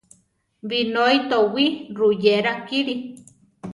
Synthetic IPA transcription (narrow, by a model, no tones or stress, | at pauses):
binoit̪owirujeɾakiɾi